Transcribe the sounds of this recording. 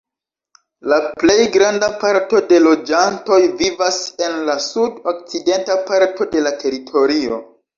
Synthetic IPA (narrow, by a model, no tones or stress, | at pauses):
laple̞jɡɾandapaɾto̞de̞lo̞d͡ʒanto̞jvivase̞nlasudok̚t͡side̞ntapaɾto̞de̞latʰe̞ɾitʰo̞ɾio̞̰